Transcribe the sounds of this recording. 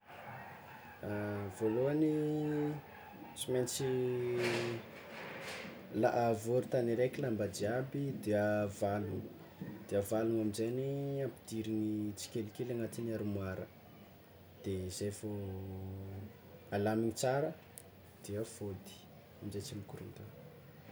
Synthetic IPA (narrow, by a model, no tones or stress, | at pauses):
avoloani | t͡siment͡si | la̰ʔavoɾut̪aniɾekilambadiabid̪eavaluŋ | d̪̥eavaluŋamizeniampid̪iɾinit͡si̥kʲelikelaŋat̪iniaɾumaɾə | d̪̥eizejvo | alamiɲit͡saɾə | d̪̥eəfod̪i̥ | amizejt͡simikuɾṵnt̪an